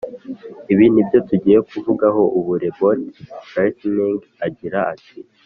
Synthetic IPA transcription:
iβiːnhibjo̞tuɟiːjekuvuɡaɦo̞ʔuβuɾe̞botɾajtniŋɡ | aɟiɾaʔatʰi

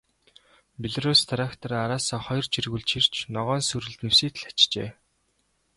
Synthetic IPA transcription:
peɮruːst̪ʰaɾakt̪ʰɔ̆ɾaɾaːsɔːχɔjɞ̆rt͡ɕirɣuɮt͡ɕʰir̥t͡ɕʰnɔʁɔːnsɵɾɘ̆ɮt̪nɵwsiːt̪ɮḁt͡ɕt͡ɕḛː

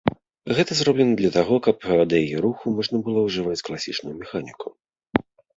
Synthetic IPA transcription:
ɣɛt̪ɐzɾɔblʲɛnɐd̪lʲɐt̪aɣɔkɐpad̪ɛjjɛɾuxumɔʐnɐbɨlˠɔwʐɨvat͡sʲklˠasʲḭt͡ʂnujumʲɛxanʲiku

